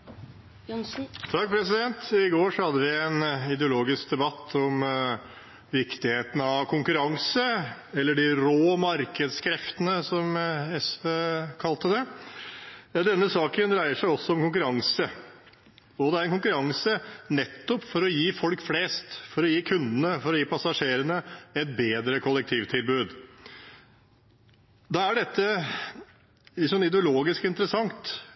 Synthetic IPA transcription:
t̪ʰɑk̚ːpʰɾɛsɪd̪ɛnt̪ɪɡoːʂɔhɑd̪ːəʋɪænɪd̪ɛʊloːɡɪsk̚d̪ɛbɑt̪ʰːɔm | ʋɪkt̪ɪheːt̪n̩ɑʋkʰʊŋkʉɾɑŋsəɛlːəɖɪɾoːmɑɾkəd̪skʰɾɛft̪ənəsɔmɛsʋeːkʰɑlt̪əd̪ɛ | d̪ɛnːəsɑːkənd̪ɾæɪəʂæɪɔsːɔɔmkʊŋk̬ʉɾɑŋsə | ɔd̪ɛæɾɛnkʊŋkʉɾɑŋsənɛt̪ːɔpfɔɾɔjiːfɔlkfleːst̪fɔɾɔjiːkʰʉnd̪ənəfɔɾɔjiːpʰɑsɑʂeːɾənəɛt̪̚beːd̪ɾəkʰʊlːək̚t̪ʰiːʋt̪ʰɪlbʉːd̪ | d̪ɑæɖɛt̪ːə | ɪsɔnɪd̪ɛʊloːɡɪskɪnt̪əɾəsɑŋt̪

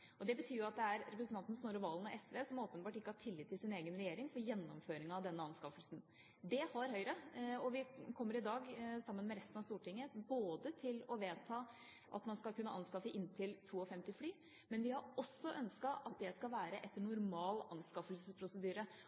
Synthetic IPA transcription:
ɔd̪ɛbət̪ʰyːɾjʊɑt̪̚d̪ɛæɾɾɛpɾəsn̩ʰɑnt̪n̩snoːɾɔʋɑːlənɔʔɛsʋeːsɔmoːpənbɑːʈɪkːəhɑʈʰɪlːɪt̪ʰːɪlsɪneːɡənɾɛjeːɾɪŋfɔɾjɛnːɔmføːɾɪŋəɑʋd̪ɛnːəɑnskɑfəlsn̩ | d̪ɛhɑɾɦœʏɾəɔʋɪkʰɔmːəɾɪd̪ɑːɡsɑmːənmɛɾɛst̪nɑʋst̪uːʈɪŋːəboːd̪ət̪ʰɪlɔʋeːt̪ʰɑː | ʔɑ̰t̪mɑnskɑlkʉnːəʔɑnskɑfəʔɪnt̪ʰɪlt̪ʰuːɔfɛmt̪ɪflyː | mɛnʋɪhɑɾɔsːɔʔœnskɑʔɑt̪̚d̪ɛskɑlʋæːɾəʔɛt̪ːəɳʊɾmɑːlɑnskɑfəlsəspʰɾʊsəd̪yːɾə

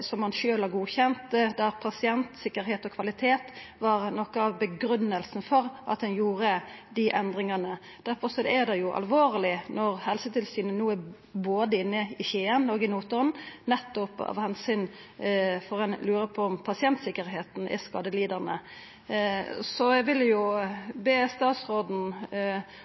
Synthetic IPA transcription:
sɔmːɑnʃøːlɑʁɡuːçɛnt̪d̪æɾpʰɑsɪɛnt̪sɪkːəɾɦeːt̪ɔkʰʋɑlɪt̪ʰeːt̪ʋɑɾnɔkːəɑʋbəɡɾʉnːəlsn̩fɔɾʔɑ̰t̪̚d̪ɛnjuːɾəd̪ɪʔɛnd̪ʁɪŋɑnə | d̪̥æɾfɔɾsɔd̪ɛæd̪ɛjʊʔɑ̰lʋoːʁlɪnɔʁhɛlsət̪ʰɪlsyːnənuːæ | boːd̪əɪnːəɪçeːənoːɡɪmuːt̪ʊɾnnɛt̪ːʊpɑ̰ʋhɛnsʏn | fɔɾɛnlʉːɾəpʰɔɔmpʰɑsɪɛnt̪sɪkːəɾɦeːt̪n̩ʔɪ̰skɑːd̪əliːd̪əʁnə | sɔɛɡʋɪljʊbeːst̪ɑːt̪sɾoːd̪n̩

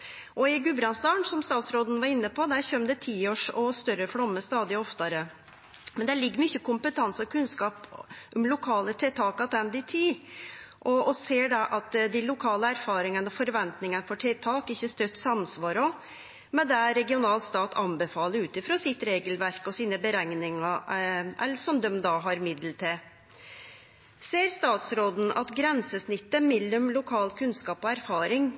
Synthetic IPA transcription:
ʔɔɪɡʉbɾɑnst̪ɑːɳsɔmst̪ɑːt̪sɾoːd̪n̩ʋɑɾɪnːəpʰɔd̪æɾçœmd̪ɛt̪ʰiːoːʂɔst̪œɾəflɔmːəst̪ɑːd̪ɪəɔft̪ɑɾə | mɛnd̪æɭɪɡːəɾmʏçːəkʊmpət̪ʰɑnsɔkʰʉnskɑːpʔʊmlʊkʰɑːlət̪ʰɛt̪ʰɑːkɑd̪ɛnd̪ɪt̪ʰiːʔɔɔseːɖɑʔɑt̪d̪ɪlʊkʰɑːləæɾfɑːɾɪŋənɔfɔɾʋɛnt̪nɪŋənəfɔʈʰɛt̪ʰɑːkɪçːəst̪œt̪ːsɑmsʋɑːɾɔ | mɛnd̪ææɾɛɡɪʊnɑːlst̪ɑːt̪ʰɑmbɛfɑːləɾʉːt̪ɪfɾɑːsɪt̪ɾeːɡəlʋæɾkɔsiːnəbəɾæŋnɪŋɑʔɛlʂɔmd̪œmd̪ɑːɦɑɾmɪd̪l̩t̪ʰɛ | seːɾst̪ɑːt̪sɾoːd̪n̩ɑ̰t̪ɡɾɛnsəsnɪt̪ːəmɪlːʉmlʊkʰɑːlkʰʉnskɑːpɔæɾfɑːɾɪŋ

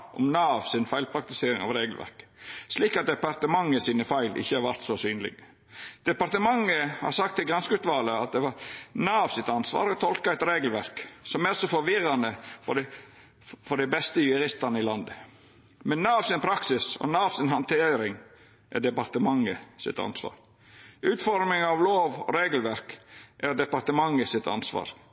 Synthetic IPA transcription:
ʔɔ̰mnɑːʋsɪnfæɪlpʰɾɑk̚t̪ɪseːɾɪŋɑ̰ʋɾeːɡəlʋʔæ̰ɾksliːkɑt̪̚d̪ɛpɑɾt̪əmɑŋːəsiːnəfæɪlʔɪ̰çːəhɑɾʋæɾt̪sɔsyːnəlɪ̰ɡ | d̪̥ɛpɑɾt̪əmɑŋːəhɑ̰ɾsɑk̚t̪ʰːɪlɡɾɑnskʉt̪ʋɑːləɑt̪̚d̪ɛʋɑɾnɑːʋsɪt̪ɑnsʋɑ̰ːɾɔt̪ʰɔlkɑæɪt̪ɾeːɡəl̩ʋæɾksɔmæɾɔsɔfɔɾʋɪrːɑnəfɔ | fɔɖ̪ɛɪbɛst̪əjʉɾɪst̪ɑnəɪlɑnd̪ə | mɛnːɑːɑʋsɪnpʰɾɑksɪsɔ̰nɑːɑʋsɪnɦɑnt̪ʰeːɾɪŋ | ʔæɖɛpɑɾt̪əmɑŋːəsɪ̰t̪ɑ̰nsʋɑ̰ːɾ | ʉːt̪fɔɾmɪŋɑʋloːʋɔ̰ɾeːɡəlʋæɾkʔæɖ̪ɛpɑɾt̪əmɑŋːəsɪt̪ɑ̰nsʋɑ̰ːɾ

